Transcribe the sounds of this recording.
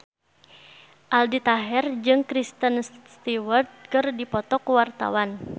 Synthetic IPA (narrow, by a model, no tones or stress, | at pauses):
ʔaldit̪aɦɛrd͡ʒɨŋkɾist̪ənst̪iwərt̪̚kɨrdipɔt̪ɔkuwart̪a̰wan